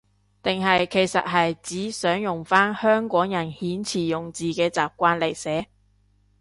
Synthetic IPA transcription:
t̪ɪ˨ŋɦɐ˨jkʰe˨˩jsɐ̰˨t̚ɦɐ˨jt͡siː˨˥sœː˨˥ŋjʊ˨ŋfaː˥nhœː˥ŋkɔː˨˥ŋjɐ˨˩nhiː˨˥nt͡sʰiː˨˩jʊ˨ŋt͡siː˨kɛː˧t͡saː˨p̚kʷaː˧nle˨˩jsɛː˨˥

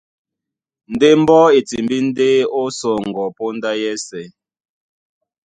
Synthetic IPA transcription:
n̩˨de˦m̩˦bɔ˦e˨ti˨mbi˦n̩˦de˦o˦sɔ˨ŋ̩˨ɡɔ˨po˦n˦da˦jɛ˦sɛ˨

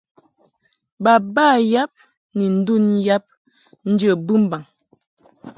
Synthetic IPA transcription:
ba˨baː˦˨ja˦p̚ | ni˨n̩˦du˦˨nja˦p̚ | n̩˦d͡ʒə˦˨bɨ˦m̩˦ba˨ŋ

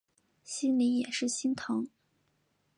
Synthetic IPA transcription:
ɕi˥nli˧˥jɛ˨˩ʂɻ̩˥˩ɕi˥nt̪ʰɤ˧˥ŋ

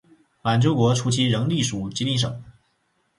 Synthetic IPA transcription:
ma˨˩nʈ͡ʂo˥ʊkwɔ˧˥ʈ͡ʂʰu˥t͡ɕʰi˥ɻə˧˥ŋli˥˩ʂu˨˩t͡ɕi˧˥ni˥˩ʂ̬ɤ̰˨˩˦ŋ

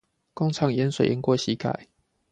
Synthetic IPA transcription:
kɔ˥˦ŋt͡sʰɑ˨˦ŋjɛ˨˦nswe˨˩jɛ˨˦nkwɔ˥˩ɕi˨˦kʰa̰˨˩˦ɪ

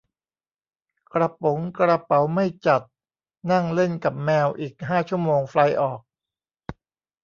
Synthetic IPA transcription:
kɾa˧po˩˦ŋkɾa˧pa˩˦wma˥˩jt͡ɕa˨˩t̪̚ | na˥˩ŋle˥˩nka˨˩p̚mɛː˧wʔiː˨˩k̚ɦaː˥˩t͡ɕʰu˥˩əmoː˧ŋfla˧jʔɔː˨˩k̚

